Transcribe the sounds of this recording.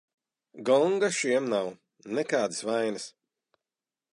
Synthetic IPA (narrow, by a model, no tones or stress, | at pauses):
ɡɔŋɡaʃiɛmnaw | nɛkaːd̪ɨsvajnɨs